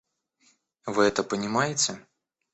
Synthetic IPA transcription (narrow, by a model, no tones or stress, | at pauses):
vɨɛt̪əpənʲɪmajɪt͡sʲɪ